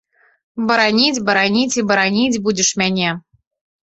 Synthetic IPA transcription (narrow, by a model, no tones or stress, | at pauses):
bə̆ɾɑnʲitʲbɤ̆ɾɑnʲitʲibɤ̆ɾɑnʲitʲbudʲɪ̆ʃmʲænʲe